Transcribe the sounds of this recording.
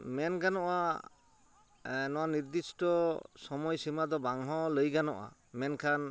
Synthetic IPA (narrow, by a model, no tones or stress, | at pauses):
mɛnɡanɔʔa | nɔwaniɾd̪istɔsɔmɔjsimad̪ɔbaŋɦɔləjɡanɔʔa̰mɛnkʰan